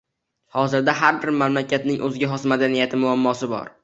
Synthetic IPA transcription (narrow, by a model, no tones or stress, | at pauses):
hɒzɪɾd̪aɦaɾbɪɾmamlakʰʲat̪nɪŋʔɵzɡʲaɦɒsmad̪anijat̪ʰɪmʊamːɒsɪbɒ̰ɾ